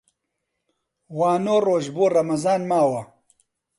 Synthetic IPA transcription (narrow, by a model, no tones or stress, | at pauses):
waːnoːroːʒboːrɐmɐzaːnmaːwɐ